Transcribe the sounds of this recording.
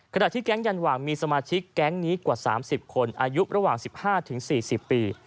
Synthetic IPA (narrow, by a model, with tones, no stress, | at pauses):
kʰa˧naː˨˩t̪ʰiː˥˩kɛ˦˥ŋja˧nwaː˨˩ŋmiː˧sa˧maː˧t͡ɕʰi˦˥kːɛ˦˥ŋniː˦˥kwaː˨˩saː˩˦msi˨˩p̚kʰo˧nʔaː˧ju˦˥ʔɾa˧waː˨˩ŋsi˨˩p̚haː˥˩t̪ʰɯ˩˦ŋsiː˨˩si˨˩pːiː˧